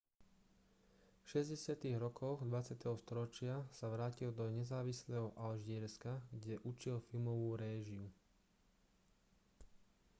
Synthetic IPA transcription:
fʃɛzɟɛsɪat̪iːɣɾɔkʰɔɣd̪ʋat͡sɪat̪ɛɦɔst̪ɔɾɔt͡ʃɪasaʋɾaːcild̪ɔɲɛzaːʋislɛɦɔʔalʒɛɾskaɡɟɛʔut͡ʃilfilmɔʋuːɾɛːʒiu

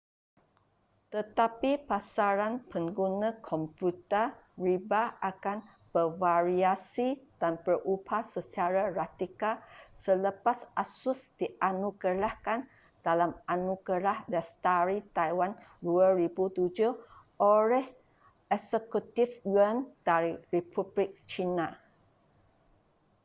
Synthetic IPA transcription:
t̪ət̪apipasaɾanpəŋɡunãkʰɔmput̪əɹibaʔakan | b̥əvaɾiasid̥anpərʔupʰasət͡ʃaɾarat̪ikasələpasasusd̥iʔanũɡəɾahkan | d̥alamanũɡəɾahdɛst̪aɾit̪ajwanduəɾibut̪ud͡ʒuʔoɾɛh | ɛsəkut̪ifwənd̥aɾiɹipʰublik̚t͡ʃina

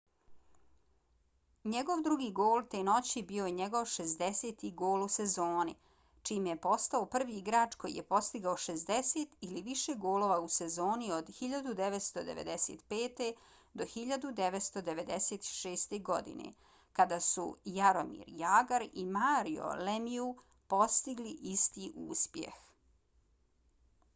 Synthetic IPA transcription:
ɲe̞ɡo̞ʋd̪ɾuɡiːɡoːlˠt̪eno̞t͡ɕibijo̞jeɲeɡo̞ʋʃez̬d̪ese̞ːt̪iɡo̞ːlusezoːni | t͡ʃiːmjepo̞st̪aopr̩ʋiiɡɾaːt͡ʃko̞jḭjepo̞st̪iɡaoʃezd̪ese̞t̪iliʋiʃe̞ɡo̞ːloːʋause̞zo̞ːnio̞d̪xiʎad̪ud̪eʋet̪st̪o̞d̪ḛʋḛd̪e̞sḛːt̪peːt̪e̞ | d̪o̞xiʎad̪ud̪e̞ʋet̪st̪o̞d̪eʋed̪ese̞ːt̪ʃe̞ːst̪e̞ɡo̞d̪ḭnḛ | kad̪aːsṵjaɾo̞mḭːɾjaːɡaɾimaːɾio̰lemiu | po̞st̪iɡliʔist̪iːʔuːspjḛx

